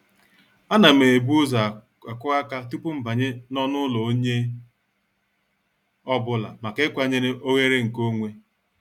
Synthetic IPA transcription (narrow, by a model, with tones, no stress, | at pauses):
a˦na˨me˨e˨bu˦o˦za˨ | a˨kʊ˦a˦ka˦tu˦pʊ˦m̩˨ba˨ɲɪ˦nɔ˦nʊ˦lɔ˨o˦ɲe˦ | ɔ˦bʊ˦la̰˨ma˨kɪ˦kʷa˨ɲe˦ɾɪ˦ʔo˦ɣe˦ɾe˦ŋ̩˨ko˦ŋʷe˦